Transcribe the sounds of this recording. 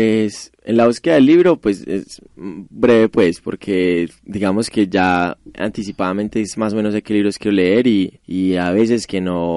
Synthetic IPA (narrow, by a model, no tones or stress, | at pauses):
pwes | e̞̰nlaβuske̞ðaðelːiβɾo̞pwe̞sḛsbɾeβe̞pwe̞spo̞ɾkʰe̞ | d̪iɣamo̞ske̞d͡ʒaa̰nt̪isipaðament̪e̞esmaso̞me̞nosekeliβɾoskjeɾole̞e̞ɾiːaβe̞s̬e̞ske̞no̞